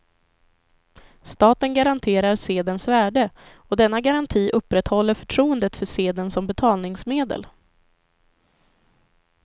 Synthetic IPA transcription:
st̪ɑːt̪ənɡaɾant̪ʰeːɾaɾseːd̪ənsvæːɖə | ɔd̪ɛnːaɡaɾant̪ʰiːʔɵpːɾɛt̪hɔlːəɾfœ̥ʈʰɾuːənd̪ət̪fœʂeːd̪ənsɔmbɛt̪ʰɑːlnɪŋsmeːd̪ə̰l

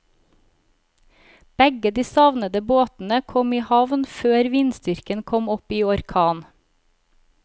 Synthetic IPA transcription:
b̥ɛɡəd̪iːsɑʋnəd̪əboːt̪n̩əkʰɔmiːhɑʋnføːɾʋiːnst̪ʏɾkənkʰɔmɔpiːɔɾkʰɑːn

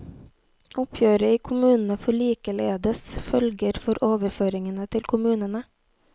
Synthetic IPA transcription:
ʔʊpʰjøːɾəiːkʰʊmʉːnn̩əfɔɭiːkəleːd̪əsfœlɡəɾfɔɾʔoːʋəɾføːɾɪŋənət̪ʰɪlkʰʊmʉːnənə

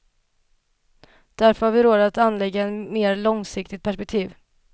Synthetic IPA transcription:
d̪̥æɾfœɾhaɾvɪɾoːd̪at̪anːlɛɡaɛt̪meːɾlɔŋsɪkt̪ɪt̪̚pʰæʂpɛk̚t̪ʰiːv

